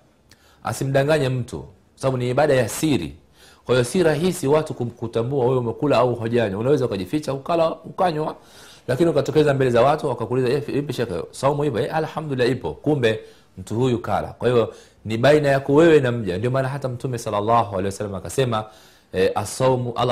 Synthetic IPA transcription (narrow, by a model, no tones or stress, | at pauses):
a̰sim̩ɗaŋɡaɲɛm̩tṵ | kwasaɓaɓuniːɓaɗajasiɾḭ | kwahijɔsiɾaɦisiwatukukutambuawɛwɛumɛkulaauɦɔʄaɲwaunawɛzaukaʄifit͡ʃahukalahukaɲwa | lakiniukatɔkɛzambɛlɛzawatuwakakulizaɛipiʃaka̰sɔumuhipɔɛʔalhamdulilːaipɔ̰kumbɛ | m̩tuhujuka̰la̰kwahivɔ | niɓainajakɔwɛwɛnam̩ʄandiɔmaːnaɦatam̩tumɛsalːalːaɦualɛjwasalːamaːkasɛma | ɛʔasɔmuʔa